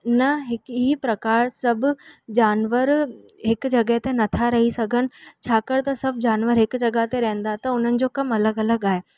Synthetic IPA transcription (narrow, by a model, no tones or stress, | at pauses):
nɐɦɪkɦipɾɐkaːɾsɐbʱʊ̆d͡ʑaːnʋəɾ | ɦɪkʊd͡ʑɐɡəɦt̪enɐt̪ʰaɾɐɦisɐɡʱənɪ̆t͡ɕʰaːkɐɾt̪ɐsɐbʱd͡ʑaːnʋəɾɦɪkd͡ʑɐɡaɦt̪eɾɐɦə̃nd̪at̪ɐʊn̤ənɪ̆d͡ʑoːkɐmɐləɡɐləɡaːɦeː